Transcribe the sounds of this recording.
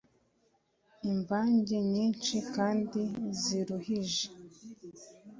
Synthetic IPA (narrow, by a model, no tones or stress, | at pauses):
imvaːɲɟeɲiːnt͡ʃikaːndiziɾuhiʒe̥